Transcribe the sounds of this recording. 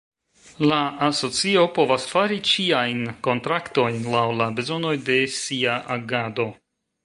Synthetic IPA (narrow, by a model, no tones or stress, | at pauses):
laaso̞t͡sio̞po̞vasfaɾit͡ʃiajnko̞ntɾakto̞jnlawlabe̞zo̞no̞jde̞siaʔaɡado̞